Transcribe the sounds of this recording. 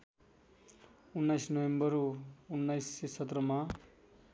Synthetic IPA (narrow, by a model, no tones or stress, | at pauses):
unːajsnʌwembʌɾuunːajsisʌt̪rʌma